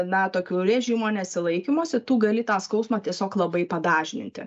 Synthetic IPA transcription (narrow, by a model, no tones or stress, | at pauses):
nɐt̪oːkʲuːɾʲɛʒʲiːmuɔnʲɛsʲɪlˠɐɪkʲɪmoːsʲɪt̪uːɡɐlʲɪt̪ɑːskɐʊsmɑːt̪ʲiɛsʲoːklˠɐbɐɪpɐd̪ɑːʒʲɪnʲɪ̰nʲt̪ʲɪ̰